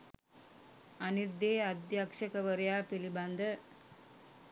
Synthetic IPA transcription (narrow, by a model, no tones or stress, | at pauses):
ɐniɾd̪eːɐd̪jakʂɐkɐʋɐɾɐjaːpilibɐnd̪ɐ